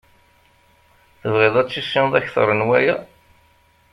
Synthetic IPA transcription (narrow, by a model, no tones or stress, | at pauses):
θəvʁeðˤæt͡sːisːinðˤæçθə̰ɾˤənwæjæ